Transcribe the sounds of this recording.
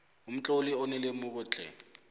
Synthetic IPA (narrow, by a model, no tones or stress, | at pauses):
um̩t͡ɬʼoliɔnɛlemuk̬ʊt͡ɬʼɛ̰